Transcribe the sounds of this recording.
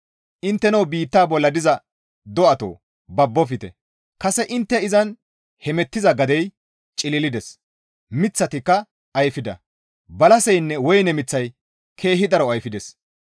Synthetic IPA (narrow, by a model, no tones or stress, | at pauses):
ʔɪnt̪ːɛnɐwbiːt̪ːaːbɔlːɐd̪ɪzɐ | d̪ɔʔɐt̪o̰ː | bɐbːɔfɪt̪ɛ̰ | kɐsɛʔɪnt̪ːɛɪzɐn | hɛmɛt̪ːɪzɐɡɐd̪ɛj | t͡ʃʼɪlɪlɪd̪ɛs | mɪt͡sːɐt̪ɪkːɐ | ʔɐjfɪd̪ɐ̰ | bɐlɐsɛjnːɛwɔjnɛmɪt͡sːɐj | kʰe̞ːɦɪd̪ɐɾɔɐjfɪd̪ɛs